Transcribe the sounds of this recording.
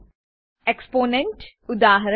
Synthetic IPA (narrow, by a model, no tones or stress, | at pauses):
ekspoːnẽɳʈ | ʊd̪aːɦɐɾ